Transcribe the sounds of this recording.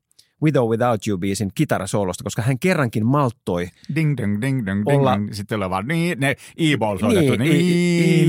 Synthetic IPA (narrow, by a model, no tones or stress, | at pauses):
widoːwiðawt̪jubiːsinkit̪ɑrɑsoulost̪ɑko̞skɑhæŋkerːɑŋkinmɑlt̪ːojdiŋdŋdiŋdŋolːɑsit̪ːoleʋɑniːt̪neiːboːlsonietːt̪ːunii